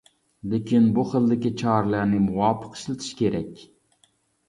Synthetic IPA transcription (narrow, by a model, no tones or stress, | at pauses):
lekʲʰinbuχəlˠd̪ɪkʲit͡ʃʰɑɾlˠæɾnɪmuwɑːpʰə̥qʃlˠɪt̪ʰɪ̥ʃkʲʰeɾɛkʲ